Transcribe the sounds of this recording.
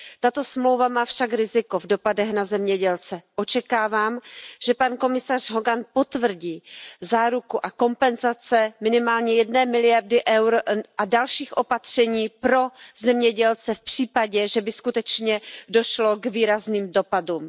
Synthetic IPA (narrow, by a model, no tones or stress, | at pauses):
t̪at̪o̞smlo̞wvamaːfʃakɾɪzɪko̞vdo̞padɛɣnazɛmɲɛɟɛlt͡sɛʔo̞t͡ʃɛkaːvaːmʒ̥ɛpanko̞mɪsar̝̥ɦoɡanpo̞t̪vr̩ɟiːzaːɾukuʔako̞mpɛnzat͡sɛmɪnɪmaːlɲɛjɛdnɛːmɪlɪjardɪʔɛwɾʔadalʃiːxʔo̞pat̪r̝̥ɛɲiːpɾo̞zɛmɲɛɟɛlt͡sɛfpr̝̥iːpaɟɛʒɛbɪskut̪ɛt͡ʃɲɛdo̞ʃlo̞ɡviːɾazniːmdo̞paduːm